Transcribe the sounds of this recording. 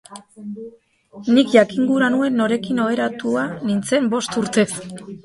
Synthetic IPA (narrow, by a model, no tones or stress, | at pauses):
nikʝakiŋɡuɾanue̞nːo̞ɾe̞kino̞βe̞ɾat̪uanint͡se̞mbo̞st̪uɾt̪e̞s